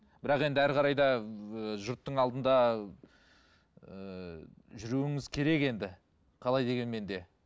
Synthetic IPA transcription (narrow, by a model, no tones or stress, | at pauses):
b̥ɪɾɑqe̞nd̪ɪæɾqʰɑɾɑjd̪ɑəʒʊɾt̪ːəɴɑlˠd̪ənd̪ɑ | ə | ʒʏɾuwɪŋɪzkʲʰe̞ɾe̞ke̞nd̪ɪ | qʰɑlˠɑjd̪e̞ɡʲe̞nme̞nd̪e̞